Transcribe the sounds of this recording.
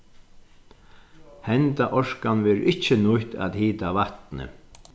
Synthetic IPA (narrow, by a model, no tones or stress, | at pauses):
hɛnt̪aʔɔʂkanvɛːɾʔɪht͡ʃːɪnʊht̪a̰ðhiːt̪aʋaht̪nə̰